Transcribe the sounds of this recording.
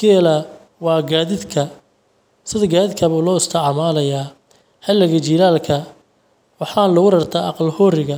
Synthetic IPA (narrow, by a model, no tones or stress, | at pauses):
ɡɛlɐ | wɑːɡaːðɪd̪kʰɐ | sɪðɐɡaːðɪd̪kʰɐβʊːlɔːʊst̪ʰɐʕɑmaːlɐjaː | hɛlːɐɣɐt͡ʃiːlaːlkʰɐ | wɑħɑːnlʊɣʊɾɐrt̪ʰaːɑ̰qɑlhɔːɾɪɣɐ